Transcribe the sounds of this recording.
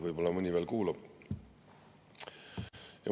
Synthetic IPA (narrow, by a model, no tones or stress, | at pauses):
vɯjb̥o̞lːɑmɯnʲiveːlkuːlɑb̥ | jɑ̰